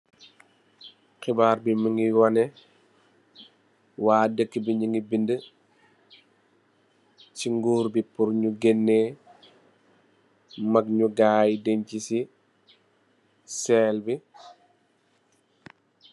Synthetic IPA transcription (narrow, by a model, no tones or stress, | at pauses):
xibaːɾbiməŋiwɔnɛ | waːdəkːibiɲəŋɡibində | ciŋɡuːɾbipurɲuɡɛnːe | mɐk̚ɲuɡaːjdeɲcisi | sɛːlbi